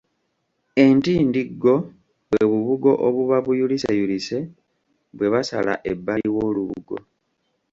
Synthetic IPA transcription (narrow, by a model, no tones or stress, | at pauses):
e̞ntiːndiɡːo̞ | βweβuβuɡo̞ʔoβuβaβujulisa̰julise̞ | βwe̞βasala̰ʔe̞bːaiwo̞ːluβuɡo̞̰